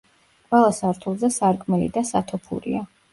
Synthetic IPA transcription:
kʼwɛlˠasaɾt̪ʰulˠzɛsaɾkʼmɛlḭd̪asat̪ʰɔpʰṵɾḭa

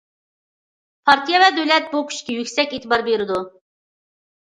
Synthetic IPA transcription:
pʰɑɾt̪ʰijɛvɛd̪ølɛt̪̚bukʲʰy̥ʃkʲijykʲsɛkʲit̪ɪbɑɾbeɾɪd̪u

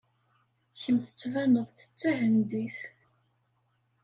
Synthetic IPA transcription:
çəmθə̥t͡sːvænəðˤθə̥t͡sːæhənd̪iθ

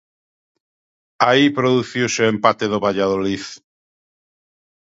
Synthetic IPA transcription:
aipɾoðuθiwseẽmpat̪eðoβaʎaðoliθ

